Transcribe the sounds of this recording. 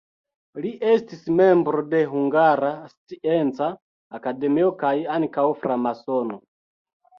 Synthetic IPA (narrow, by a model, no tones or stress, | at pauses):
liʔestisime̞mbɾode̞ɦuŋɡaɾast͡sient͡saː | kade̞miokajaŋkawfɾamasono